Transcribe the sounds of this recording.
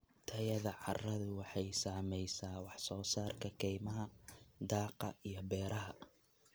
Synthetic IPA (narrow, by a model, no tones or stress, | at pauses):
t̪ʰɐjɐðɐʕɑrɐðʊwɑħɑjsaːmɛjsaːwɑħsɔːsaːrkʰɐkʰɛjmɐɦɐd̪ɑːqɐijɞbɛːɾɐɦɐ